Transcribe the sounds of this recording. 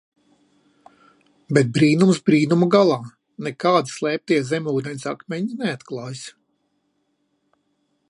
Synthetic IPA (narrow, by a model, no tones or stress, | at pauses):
bɛt̪̚bɾiːnumsbɾiːnumuɡalˠɑː | nɛkaːd̪i̥slˠɛːp̚t̪iɛzɛmʲuːd̪ɛnʲsakmʲɛɲineat̪klˠɑːjs